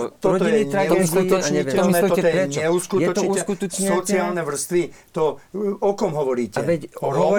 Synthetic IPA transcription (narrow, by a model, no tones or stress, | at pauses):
tt̪ɔɔɔiɛit̪ɾauskuɔɲɛɔmɔɔjɛɛɲɛuskujɛɔuːsɛkut̪ɔt͡ʃɲsɔt͡siaːlnɛʋr̩st̪ʋit̪ɔɔkɔmɦɔʋɔɾiːcɛʋɛcɔ